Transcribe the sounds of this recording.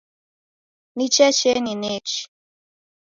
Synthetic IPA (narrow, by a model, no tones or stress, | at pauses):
nit͡ʃɛt͡ʃeninet͡ʃ